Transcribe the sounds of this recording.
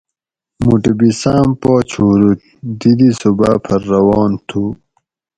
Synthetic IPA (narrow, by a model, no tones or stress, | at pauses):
muʈibisaːmpoːt͡ɕʰuːɾut̪̚ | d̪id̪isubapʰɐɾːɐwɑːnt̪ʰu